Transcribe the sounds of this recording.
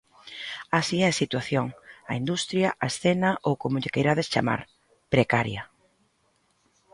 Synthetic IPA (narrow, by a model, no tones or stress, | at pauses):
asiɛsit̪waθjoŋɐind̪ust̪ɾjɐʔaesθɛnɐʔowkomʊʎɪkejɾaðest͡ʃa̰ma̰ɾ | pɾekaɾjɐ